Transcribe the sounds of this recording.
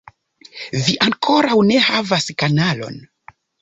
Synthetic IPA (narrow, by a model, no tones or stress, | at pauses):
viʔaŋkʰo̞ɾawne̞havaskanalo̞̰n